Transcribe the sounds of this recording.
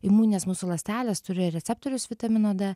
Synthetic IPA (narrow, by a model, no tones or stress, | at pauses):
ɪmuːnʲeːsmuːsulˠɐsʲt̪ʲæːlʲeːst̪ʊɾʲɪɾʲɛt̪sʲɛp̚t̪oːɾʲʊsʋʲɪt̪ɐmʲɪnoːd̪ɐ